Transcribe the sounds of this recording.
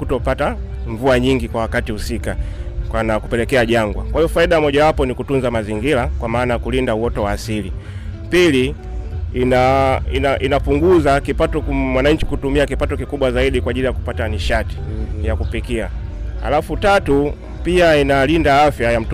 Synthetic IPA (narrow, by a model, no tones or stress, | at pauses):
kutɔpata | ɱvuaɲiŋɡikwawakatihusikakwanakupɛlɛkɛaʄaŋɡwa̰kwaijɔfaiɗamɔʄawapɔnikutunzamaziŋɡilakwamaːnajakulindauɔtɔwaːsili | pili | inainaʔinapuŋɡuzakipatɔmwanaɲ̩t͡ʃi̥kutumiakipatɔkikuɓwazaiɗikwaːʄilijaku̥pataniʃati̥jakupikia̰ha̰lafutatu | piainalindaafjajam̩t